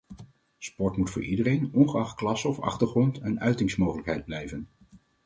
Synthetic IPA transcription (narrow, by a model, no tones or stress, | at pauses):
spɔɹtmutfʊːɹʔidərejnɔnχəɑχtklɑsɔfɑ̰χtəɹχrɔntɛnœɥtɪŋsmowχələkɦɛjd̚blɛjvən